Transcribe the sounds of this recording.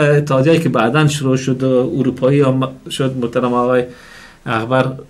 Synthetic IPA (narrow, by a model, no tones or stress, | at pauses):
ɪt̪ːhɑd̪jɒjekebad̪anʃʊɾoʃʊd̪ʊuɾupʰɒiɔmʃʊd̪mʊht̪aɾamɔɣɔj | aɣbaɾ